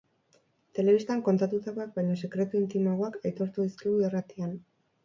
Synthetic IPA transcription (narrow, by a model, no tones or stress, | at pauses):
t̪e̞le̞βist̪aŋko̞nt̪at̪ut̪ako̞ak̚bajɲose̞kɾe̞t̪uint̪imaɣo̞akajt̪o̞ɾt̪uðiskiɣuirat̪ian